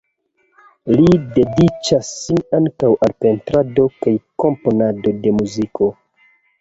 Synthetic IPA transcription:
lide̞dit͡ʃasːinaŋkawʔalpe̞ntɾado̞kajko̞mpo̞nado̞de̞muzikʰo̞

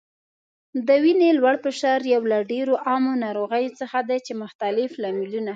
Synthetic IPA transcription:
d̪əwinelwaɽpəʃaɾjawlaɖeɾoʔɑmonɑɾoɣəjot͡səxad̪at͡ʃemʊxt̪alɪflamiluna

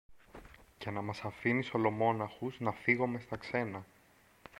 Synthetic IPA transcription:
cenɐmɐsɐfiniso̞lo̞mo̞nɐxuznɐfiɣo̞me̞st̪ɐkse̞nɐ

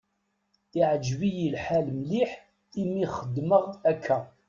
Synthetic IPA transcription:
iʕəd͡ʒvijilħælmliħ | imiχəd̪ːməʁækʰːæ

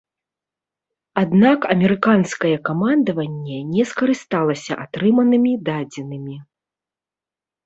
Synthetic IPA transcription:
ad̪nakɐmʲɛɾɨkanskɐjɛkamand̪ɐvɐnʲːɛnʲɛskɐɾɨst̪alˠɐsʲɐʔat̪ɾɨmɐnɨmʲid̪ad͡zʲɛnɨmʲi

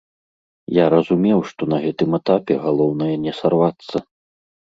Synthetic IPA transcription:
jaɾɐzumʲɛwʂt̪ɔn̪ɐɣɛt̪ɨmɛt̪apʲɛɣalˠɔwnɐjɐnʲɛsarvat̪sːɐ

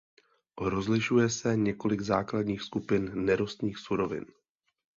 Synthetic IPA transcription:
ɾo̞zlɪʃujɛsɛɲɛko̞lɪɡzaːkladɲiːxskupɪnːɛɾost̪ɲiːxsuɾo̞vɪ̰n

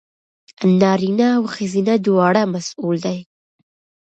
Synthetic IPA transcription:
nɑɾinaːwxazinad̪wɑɽamasuld̪aj

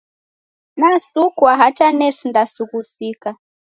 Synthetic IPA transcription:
nasukwaɦat͡ʃanɛsindasuɣusika

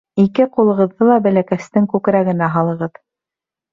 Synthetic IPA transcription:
ikɘqulˠɤ̆ʁɤ̆ðːɤlˠɑbælækæst̪ɘŋkʉkɾæɡɘ̆næɦɑlˠɤ̆ʁɤð

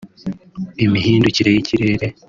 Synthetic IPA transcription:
imiɦiːnduciɾe̞jiciɾe̞ːɾe̞

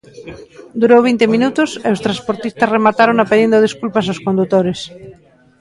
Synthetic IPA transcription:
d̪uɾowβ̞int̪emĩnut̪oseost̪ɾaspoɾt̪ist̪asremat̪aɾoŋapeðind̪oð̞iskulpas̬aoskond̪ut̪oɾes

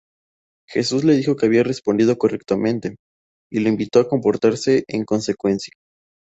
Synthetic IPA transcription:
xe̞suzle̞ð̞ixo̞ke̞aβ̞iare̞spond̪ið̞o̞ko̞rek̚t̪amẽ̞nt̪e̞ | ile̞imbit̪o̞ako̞mpo̞ɾt̪aɾse̞ʔeŋko̞nse̞kwe̞nsjḁ

